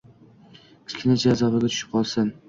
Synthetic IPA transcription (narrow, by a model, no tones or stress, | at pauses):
ɪ̥skʲʰɪnɪd͡ʒazɒvaɡʲat̪ʰʊ̥ʃɪ̥p̚qʰɒlˠsɪn